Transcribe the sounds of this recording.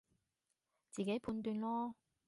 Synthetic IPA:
t͡siː˨˩ke˨˥jpʰuː˧˥nt̪yː˧nlɔː˥

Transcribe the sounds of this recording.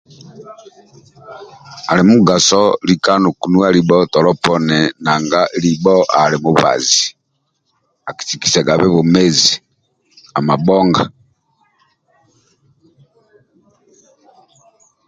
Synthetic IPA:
a˨le˨mu˦ɡa˨sɔ˦lika˦nu˨ku˨nu˦a˦ɾibɔ˦tɔ˨lɔ˦pɔ˦nɛ˨na˨ŋɡa˦libɔ˦ʔa˨le˨mu˨βa̰˨zi | a˨ki̥siki̥˨se˨ɡa˨βe˦βu˨me˦zi | a˨ma˨bɔ˦ŋɡa

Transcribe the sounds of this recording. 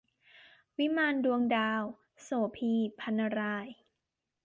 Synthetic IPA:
wi˦˥maː˧ndu˧əŋdaː˧w | soː˩pʰiː˧pʰa˧nːa˧ɾaː˧˩j

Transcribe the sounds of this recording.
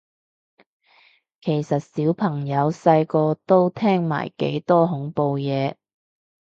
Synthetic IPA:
kʰe˨˩jsɐ˨t̚siː˨˥wpʰɐ˨˩ŋjɐ˨˧wsɐ˧jkɔː˧t̪o˥wt̪ʰɛː˥ŋma̰ː˨˩jkḛ˨˥jt̪ɔː˥ɦʊ˨˥ŋpo˧wjɛː˨˧

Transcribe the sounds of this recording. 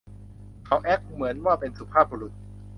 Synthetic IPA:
kʰa˨˦wʔɛ˦˥k̚mɯ˩˦ənwaː˥˩pe˧nsu˧˩pʰaː˥˩p̚boː˧ɾu˨˩t̪̚

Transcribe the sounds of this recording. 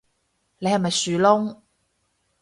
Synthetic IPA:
ne˧jhɐ˨jmɐ˨jsyː˨lʊ˥ŋ

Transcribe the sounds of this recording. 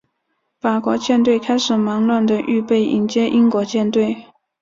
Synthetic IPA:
fa˨˩kwɔ˧˥t͡ɕjɛ˥˧nt̪we˥˧ɪkʰa˥ɪʂɻ̩˨˩ma˧˥ŋlwa˥˩nd̪ə˨ʔy˥˧pe˥˩ɪʔḭ˧˥nt͡ɕjɛ˥ʔi˥nkwɔ˧˥t͡ɕjɛ˥˧nt̪we˥˩ɪ

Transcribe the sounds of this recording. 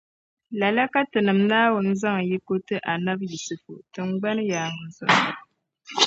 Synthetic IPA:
la˨la˦ka˦tɨ˨nɨ˨mnaː˦wʊ˨n˦za˦ŋ˨ji˦ko˦tɨ˦ʔa˨na˦bji˨sɨ˨fo̰˨ʔtɨ˨ŋ˦ɡ͡ba˦n˦jaː˨ŋɨ˨zɔ̰˨ʔ

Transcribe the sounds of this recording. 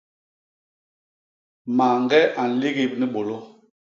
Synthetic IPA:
ma˨ŋɡɛ˦ʔa˨n̩˨le˦ɡe˦˨p̚ni˦ɓo˨lo˦

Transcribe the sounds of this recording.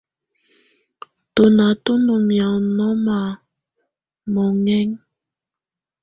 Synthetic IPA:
to˨na˨to˦no˨mja˨nɔ˦ma˨ | mɔ˨ŋɛ˦ŋ

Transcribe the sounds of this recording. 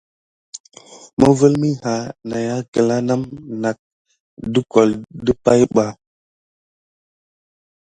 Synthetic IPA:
mə˦və˦lmi˦ha˨na˨ja˦kə˨la˦na˦mna˨k̚ | də˦ko˨ldə˦pa˦jɓa˨

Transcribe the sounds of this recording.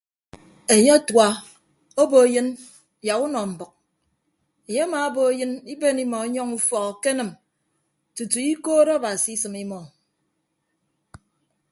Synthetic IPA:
e˨ɲe˦a˦twa˨ | o˦bo˨e˨jɨ˦n | ja˨ku˦nɔ˨m̩˨bɔ˨k̚ | e˨ɲe˦a˦ma˨o˦bo˨e˦jɨ˦ni˦be˦ni˦mɔ˨˦ɲɔ˦ŋu˦fɔ˨kɔ˨ke˦nɨ˨m | tu˨tu˨i˦koː˦ɾa˦˨ba˨si˨i˦sɨ˨mi˦mɔ˨

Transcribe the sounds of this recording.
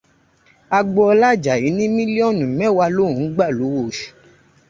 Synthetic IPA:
a˧ɡ͡bɔ˧ɔ˧la˦˨d͡ʒa˨ji˨˦nĩ˦mĩ˦li˦ɔ˦˨nũ˨˦mɛ̃˦˨wa˧lo˦˨ũ˨˦ɡ͡ba˦˨lo˨˦wo˦˨ʃu̥˨

